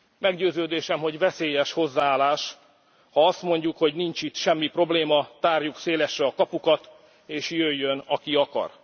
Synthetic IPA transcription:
mɛɡɟøːzøːd̪eːʃɛmɦo̞ɟvɛseːjɛʃho̞zːaːaːlaːʃ | hɒɒst̪mo̞ɲɟukho̞ɟnint͡ʃit̪ʃɛmːipro̞bleːmɒt̪aːrjukseːlɛʃrɛɒkɒpukɒt̪ | eːʃjøjːø̞nɒkiɒkɒ̰r

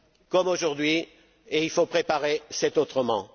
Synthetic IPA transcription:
kɔmoʒuʁd̪ɥi | eilfopχepaʁesɛt̪ot̪χəmɑ̃

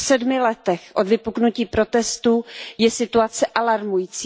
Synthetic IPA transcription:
sɛdmɪlɛt̪ɛxʔo̞d̪vɪpuknuciːpɾo̞t̪ɛst̪ujɛsɪt̪uat͡sɛʔalaɾmujiːt͡siː

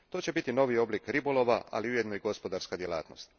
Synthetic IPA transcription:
t̪o̞ːt͡ɕe̞bit̪ino̞ʋio̞blikɾibolo̞ʋaa̰liujed̪noiɡo̞spo̞d̪aɾskad̪jelˠa̰ːt̪no̞̰st̪

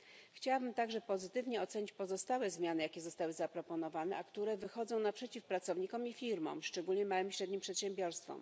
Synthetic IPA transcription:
xt͡ɕawabɘmt̪aɡʐɛpɔzɘt̪ɘvɲɛɔt̪sɛɲit͡ɕpɔzɔst̪awɛzmʲjanɘjakʲɛzɔst̪awɘzapɾɔpɔnɔvanɛʔakt̪uɾɛvɘxɔd̪zɔ̃w̃napʂɛt͡ɕifpɾat̪sɔvɲikɔmifʲiɾmɔ̰̃mʂt͡ʂɛɡulɲɛmawɘmɕɾɛd̪ɲimpʂɛt̪ɕɛmbʲjɔɾst̪fɔ̰m

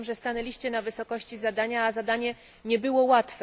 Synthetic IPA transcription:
mʐɛst̪anɛlʲiɕt͡ɕɛnavɘsɔkɔɕt͡ɕizad̪aɲaːzad̪aɲɛ | ɲɛbɘwɔwat̪fɛ

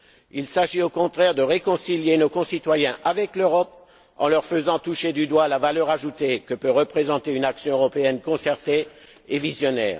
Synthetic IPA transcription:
ilsaʒiokɔ̃t̪χɛʁd̪əʁekɔ̃siljenokɔ̃sit̪wajɛ̃ʔavɛkløʁɔp̚ | ɑ̰̃lœʁfəzɑ̃t̪uʃed̪yd̪walavalœʁaʒut̪ekəpøʁəpχezɑ̃t̪eynaksjɔ̃øʁɔpeɛnkɔ̃sɛʁt̪eː | vizjɔnɛ̰ːʁ

